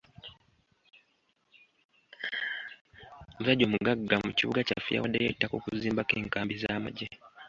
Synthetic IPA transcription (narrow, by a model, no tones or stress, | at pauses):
uzaɟomuɡaɡːamuciβṵɡaca̰fija̰wadejetːakukuziːmbakeːŋkaːmbizaːmaɟe